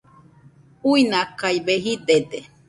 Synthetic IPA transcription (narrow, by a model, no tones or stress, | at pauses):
uinakajβeɦid̪ed̪e